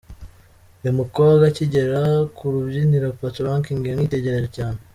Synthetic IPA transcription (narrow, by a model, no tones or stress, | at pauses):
imukoβaɡaciɟe̞ɾakuɾubɟiniɾapatuɾaŋkiŋɡiaŋiːte̞ɟe̞ɾe̞ʒocaːne